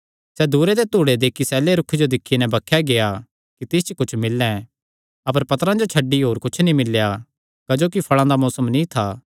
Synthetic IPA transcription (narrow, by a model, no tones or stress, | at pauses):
sɛd̪uːɾed̪et̪uːɽed̪eːkʰːisɛːleɾʊkʰːed͡ʒod̪ɪkʰːinɛ̃bɐkʰːjaɡea | kit̪ɪst͡ʃkʊt͡ʃʰmɪlːɛ̃ | ɐp̬əɾpɐt̪əɾãd͡ʒot͡ʃʰɐɖːiɦoːɾkʊt͡ʃʰnĩmɪlːja | kɐd͡ʒoːk̬ipʰɐɭ̃ãd̪amɔːsəmnĩt̪ʰaː